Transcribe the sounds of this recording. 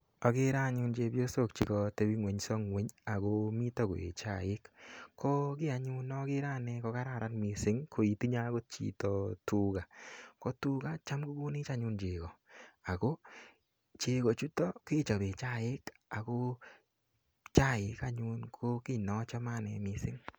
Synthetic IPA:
ɔ˨ke˦ɾa˦ɲʊ˧nt͡ʃe˧bjo˦so˦˨k̚t͡ʃi˨kɔ˧te˧bi˦ŋwe˨ɲsɔ˦ŋwe˨˦ɲa˨ko˦mi˦tɔ˦ko̰˨ḛ˨t͡ʃa˦˨ɪ˦kːo˦kɪ˦a˨ɲu˦nɔ˦kɪ˦ɾa˦nɛ˧ko˧ka˦ɾa˦˨ɾa˦nmi˨sɪ˨˦ŋkʰo˨i˨ti˦ɲa˦ɡo˦t̚t͡ʃḭ˦tɔ˨tu˦ɡa˨ko˦tu˦ɡa˦t͡ʃa˦mku˦ɡu˦ni˦t͡ʃa˦ɲu˧nt͡ʃe˨kɔ˨a˨ko˦ | t͡ʃe˨kɔ˨t͡ʃu˦tɔ˦kɪ˦t͡ʃa˨be˨t͡ʃa˦˨ɪ˦k | a˨ko˦ | t͡ʃa˦˨ɪ˨ka˦ɲu˧nkʰo˦kɪ˦nɔ˦t͡ʃa˦ma˦˨nɛ̰˨mɪ˧sɪ˦ŋ

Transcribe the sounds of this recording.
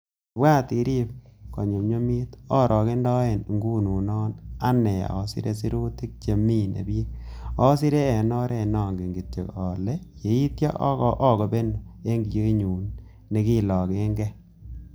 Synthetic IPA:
ba˦˨ti˨ɾi˦p̚kɔ˨ɲo˨ɲo˦mi˦tɔ˦ɾʔɔ˨kɪ˦ndɔ˦e˨n˨ŋɡu˦nu˨nɔ˦na˦nɛ˨a̰˨o˨sɪ̰˦ɾe˦si˦ɾu˦ti˦k̚t͡ʃe˨mi˦nḛ˨bje˦k̚ɔ˦sɪ˦ɾe˦ɛ˨nɔ˦ɾɛ˦˨nɔ˦˨ŋɡe˨ŋɡi˨t̚t͡ʃḛ˨kɔ˨le˦je˨˦i˦tja̰˦ʔkɔ˨ʔɔ˦˨kɔ˨be˦n˨e˦ŋɡi˨jo˦ɲuː˨n | ne˨˦ki˦˨lɔ˨ke˦ŋɡɛ˦

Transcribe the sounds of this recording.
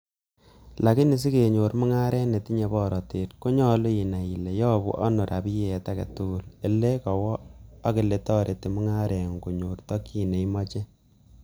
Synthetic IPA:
la˨ki˦ni˨s̬i˦ke˨ɲo˨ɾmʊ˦ŋa˦ɾʔɛ˦nɛ˨ti˦ɲe˨bɔ˦˨ɾɔ˨te˨tko˦ɲɔ˦lo˦i˨na˨i˨le˨jɔː˦bṵ˦ʔa˦no˨ɾʔa̰˨bi˦jɛ˨ta˦kɛ̰˨tu˦u˨le˨le˦kɔ˨wɔ˦a˦kɪ˨le˨tɔ˦ɾʔe˨ti˨mʊ˦ŋa˦ɾʔɛ˨ŋko˨ɲo˨rtɔ˦ki˦ne˨i˦mɔ˦t͡ʃɛ˦

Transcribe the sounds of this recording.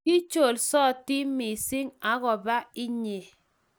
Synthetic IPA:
ki˦t͡ʃo˨lsɔ˦˨ti˦mi˨sɪ˦ŋa˨˦ɣɔ˨ba˦ɪ˦ɲe˨

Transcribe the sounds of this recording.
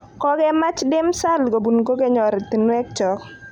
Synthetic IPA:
kɔ˦ɡɛ˦ma˦t͡ʃdɪ˦msa˦lɡo˨bu˨nko˦ɡe˦ɲɔ˨ɾɛ˨t̪i˨nwɛ˦k̚t͡ʃɔ˨k

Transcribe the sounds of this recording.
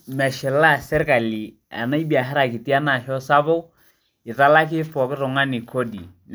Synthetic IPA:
mɛ˨ʃɪ˨la˦sɛ˦rka˨li˨ | a̰˨na˦i˦bi˨a˨ɦɪ˦ɾa˨kɪ˨ti˦a˦na˨ʃɔ˦sa˦bo˦ | ɪ˨ta˦la˦k̬ɪ˦pɔ˨kɪ˦ɾʊ˨ŋa˦nɪ˨kʰo˦di˨n

